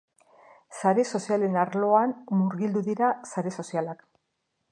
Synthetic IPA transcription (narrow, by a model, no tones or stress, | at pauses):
saɾe̞so̞siale̞naɾlo̞anmuɾɣild̪uðiɾasaɾe̞so̞sialak